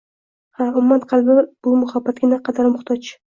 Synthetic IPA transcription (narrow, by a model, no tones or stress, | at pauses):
haʊmʊmanqʰɑlˠbɪb̥ʊmʊhabːat̪̚ɡʲɪnaqʰɑd̪aɾmʊχt̪ʰɒt͡ʃ